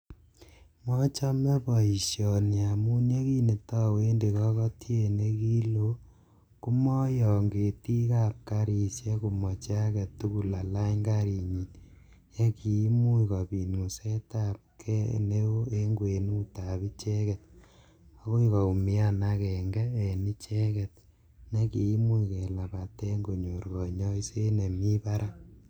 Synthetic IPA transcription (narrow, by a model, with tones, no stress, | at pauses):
mɔ˦t͡ʃa˦me˦pɔ˨i˨ʃjɔ˨nja˨mu˦nje˦ki˦ne˨ta˦we˦nde˨kɔ˦kɔ˦tʰje˦˨ne˦ki˦lo˦ | ku˦mɔ˦jɔ˨ŋɡe˨ti˦ka˦˨p̚ka˦ɾi˨sje˦ku˨mɔ˨t͡ʃa˦kɛ˨tːu˦ku˨la˨la˦ɲɡa˦ɾi˨ɲi˨t | je˦ki˨˦mu˦ka˨pi˨nu˨se˦ta˦p̚kʰɛ˦ne˦wo˦e˦ŋɡwe˨nu˦ta˨bi˦t͡ʃɛ˦kɛt̚ | a˨˦ko˦ika˨u˨mi˦a˦˨na˦kɛ˨ŋɡɛ˦e˨ni˦t͡ʃɛ˦kɛ˨t̚ | ne˦ki˨i˦mu˦ike˨la˨ba˨tɛ˦ŋɡo˨ɲo˨ɾɡɔ˨ɲɔ˦i˦se˦ne˨mi˦pa˦ɾʔa˦